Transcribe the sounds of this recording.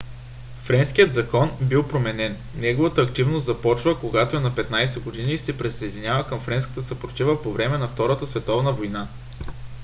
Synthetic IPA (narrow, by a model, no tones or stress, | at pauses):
fɾɛnsk̟ijət̪zɐkɔnbilˠpɾomɛnɛnːɛɡovət̪əːkt̪ivnost̪zɐpɔt͡ʃvəkoɡat̪oɛnɐpɛt̪najsɛɡod̪inisɛpɾisɐɛd̪inʲavəkəmfɾɛnskə̥t̪əsɐpɾot̪ʲivəpovɾɛmɛnɐft̪ɔɾət̪əsvɛt̪ɔvnəvojna